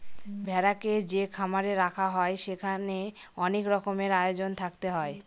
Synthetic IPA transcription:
bʱɛɾaked͡ʑekʰamaɾeɾakʰaɦɔeʃekʰaneɔnekɾɔkomeɾajod͡ʑont̪ʰakt̪eɦɔe

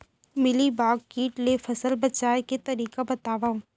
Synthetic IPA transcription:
mɪlibaːɡkiːʈlefɐsəlbɐt͡ʃaːjket̪ɐɾiːkabɐt̪aːʋaːũ

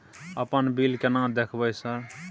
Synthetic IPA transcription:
əpənbilkenãd̪ekʰbəjsəɾ

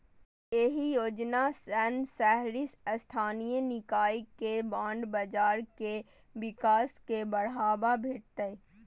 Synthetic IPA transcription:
jeɦijoːd͡ʒnasɛnsɛɦɾɪsst̪ʰaːnijənɪkaːikebãːɳɖbəd͡ʒaːɾke | ʋɪkaːskebɐɽaːbabʱeːʈ̚t̪e

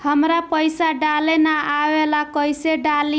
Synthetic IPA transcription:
həmɾapəjsaɖalenaawelakʌjseɖali

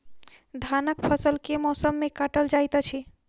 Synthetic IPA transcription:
d̪ʱanəkpʰəsəlkemɔsəmːẽkaʈəld͡ʒajt̪at͡ʃʰi

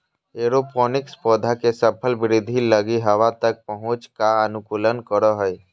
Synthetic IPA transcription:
eɾopɔːnɪkspɔːd̪ʱakesəpʰəlbɪɾɪd̪ʱiləɡiɦɐʋat̪ək̚pəɦʊ̃t͡ʃkaənʊkuːlənkəɾoɦəj

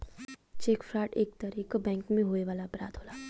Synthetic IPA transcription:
t͡ʃeːkfʰɾaːʈḛːk̚t̪aɾiːkbɛ̃ːŋkmẽɦoːeʋaːlabɾa̰ːd̪ɦoːlaː

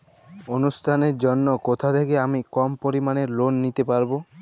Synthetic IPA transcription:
onusʈʰaneɾd͡ʒɔnːɔkot̪ʰad̪ʰekeamikɔmpoɾimanelonːit̪epaɾbo

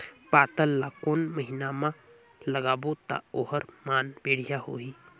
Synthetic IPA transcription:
paːt̪əlːakoːnməɦinamã | ləɡaːbot̪a̰oɦəɾmaːnbeːɽ̤ijaɦo̰ːi

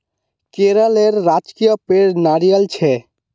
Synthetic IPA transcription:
keɾəleɾːad͡ʒkijəpeɽnaɾijəlt͡ʃʰɛ

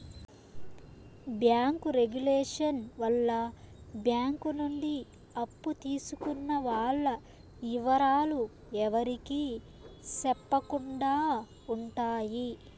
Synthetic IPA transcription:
bjaːŋkuɾeɡuleːʂɐnʋɐlːɐbjaːŋkunuɳɖi | ɐpːut̪iːsukunːɐʋaːɭːɐ | iʋɐɾaːlu | ɛʋɐɾikiː | sɛpːɐkuɳɖaː | uɳʈaːji

